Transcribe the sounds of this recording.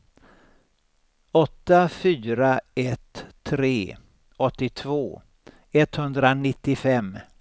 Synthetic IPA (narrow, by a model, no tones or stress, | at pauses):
ɔt̪ːafyːɾaɛt̪ʰːɾeː | ɔt̪ːɪt̪ʰvoː | ɛt̪hɵnd̪ɾanɪt̪ːɪfɛmː